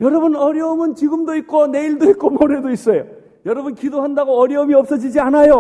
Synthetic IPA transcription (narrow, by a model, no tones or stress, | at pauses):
jʌɾʌbɯnʌɾjʌɯmɯnt͡ɕiɡɯmdoik̚k͈one̞iɭdoik͈omoɾedois͈ʌjo | jʌɾʌbunkidoɦandaɡoʌɾjʌomiʌp̚s͈ʌd͡ʑid͡ʑianajo